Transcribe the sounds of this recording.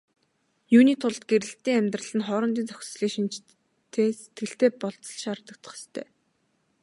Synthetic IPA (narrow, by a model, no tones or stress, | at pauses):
juːniːt̪ʰʊɮt̪ɡ̥eɾɘ̆ɬt̪iːŋæmʲt̪rə̆ɮɘ̆nχɔːɾɞ̆nt̪iːnt͡sœxʲsə̥̆sɮiːkʃint͡ɕ | t̪ʰeːse̥t̪ɡɘ̆ɬt̪eːpɔɮt͡sɞ̥̆ɮʃaːrt̪ə̆k̚t̪ə̥̆χst̪ʰœ̰ː